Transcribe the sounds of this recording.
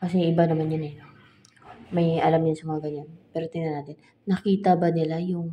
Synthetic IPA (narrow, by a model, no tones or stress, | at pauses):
kɐs̬ɛʔɪbanɐmanɲanɛno | mɐjʔɐlamɲansɐmɐŋaɡɐɲanpɛːɾot̪ɪnanaːt̪ɪn | nɐkiːt̪ɐbɐnɪlajʊŋ